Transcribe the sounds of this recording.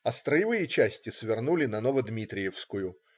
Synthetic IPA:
ɐst̪ɾəjɪvɨjət͡ɕæsʲtʲɪsvʲɪrnulʲɪnɐnovəd̪mʲit̪ɾʲɪjɪfskʊjʊ

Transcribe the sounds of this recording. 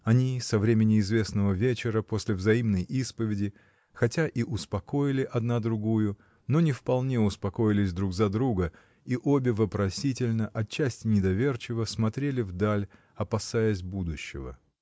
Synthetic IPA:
ɐnʲisɐvɾʲemʲɪnʲɪɪzvʲe̞snəvəvʲet͡ɕɪɾəpo̞sʲlʲɪvzɐimnəjʔispəvʲɪdʲɪ | xɐtʲaʔiʔʊspɐko̞jɪlʲɪʔɐd̪nad̪ɾʊɡujʊ | no̞nʲɪfpɐlˠnʲe̞ʊspɐko̞jɪlʲɪsʲd̪ɾuɡzɐd̪ɾuɡə | iʔo̞bʲɪvəpɾɐsʲitʲɪlʲnəʔɐt͡ɕːæsʲtʲɪnʲɪd̪ɐvʲe̞rt͡ɕɪvəsmɐt̪ɾʲelʲɪvd̪alʲ | ɐpɐsajəsʲbud̪ʊɕːɪ̰və̰

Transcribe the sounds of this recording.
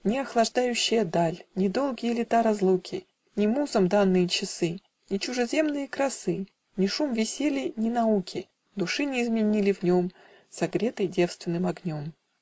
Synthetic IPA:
nʲɪɐxlˠɐʐd̪ajʉɕːɪjəd̪alʲnʲɪd̪o̞lˠɡʲɪjəlʲɪt̪aɾɐzlˠukʲɪ | nʲɪmuzəmd̪anːɨjət͡ɕɪsɨ | nʲɪt͡ɕʊʐɨzʲe̞mnɨjəkɾɐsɨ | nʲɪʂumvʲɪsʲelʲijnʲɪnɐukʲʰɪ | d̪ʊʂɨnʲɪːzmʲɪnʲilʲɪvnʲo̞m | sɐɡɾʲe̞t̪əjdʲe̞fst̪vʲɪnːɨmɐɡnʲo̞m

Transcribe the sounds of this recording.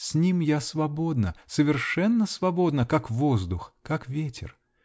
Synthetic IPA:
sʲnʲimjasvɐbo̞d̪nəsəvʲɪrʂɛnːəsvɐbo̞d̪nəkakvozd̪ʊxkakvʲetʲɪ̰r

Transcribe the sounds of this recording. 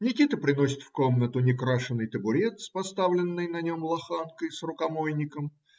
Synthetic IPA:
nʲɪkʲit̪əpɾʲɪno̞sʲɪ̥t̪fko̞mnət̪ʊnʲɪkɾaʂɨnːɨjt̪əbʊɾʲet̪spɐst̪avlʲɪnːɨjnɐnʲo̞mlˠɐxankəjsrʊkɐmojnʲɪkəm

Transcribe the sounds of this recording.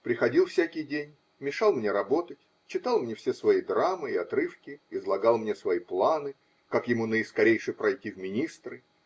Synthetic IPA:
pɾʲɪxɐdʲilˠfsʲækʲɪjdʲenʲ | mʲɪʂalˠmnʲe̞ɾɐbo̞t̪ətʲ | t͡ɕːɪt̪alˠmnʲe̞fsʲesvɐid̪ɾamɨɪɐt̪ɾɨfkʲɪɪzlˠɐɡalˠmnʲe̞svɐiplˠanɨ | kakjɪmunəɪskɐɾʲejʂɨjpɾɐjtʲivmʲɪnʲist̪ɾɨ

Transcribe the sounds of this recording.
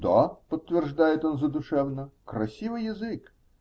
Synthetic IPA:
d̪apət̪ːvʲɪrʐd̪ajɪt̪o̞nzəd̪ʊʂɛvnəkɾɐsʲivɨjɪzɨk

